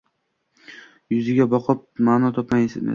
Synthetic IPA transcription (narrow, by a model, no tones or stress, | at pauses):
jʊzɪɡʲabɒqʰɨp̚maːnɒt̪ʰɒpmajesenḛ